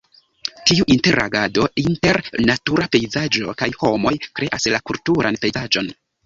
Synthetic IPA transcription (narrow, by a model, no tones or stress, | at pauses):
tiuʔinte̞ɾa̰ɡado̞inte̞ɾnatuɾape̞jzad͡ʒo̞̰kajho̞mo̞jkɾe̞ʔaslakultuɾʔanpe̞jzad͡ʒo̞n